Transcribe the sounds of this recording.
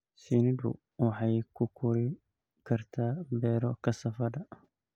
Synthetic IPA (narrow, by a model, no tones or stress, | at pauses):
sinid̪ṵ | waħajkʊkʊɾi | kɐɾt̪abɛːɾɔkɐsɐfɐd̪a